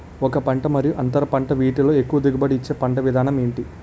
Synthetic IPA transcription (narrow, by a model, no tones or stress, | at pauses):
ɔkɐpɐɳʈɐmɐɾijuʔɐnt̪ɐɾɐpɐɳʈɐʋiːʈiloːekːuʋɐd̪iɡɐbɐɽiːt͡ʃːe̞ːpɐɳɖɐʋid̪ʱaːnɐmeːɳʈi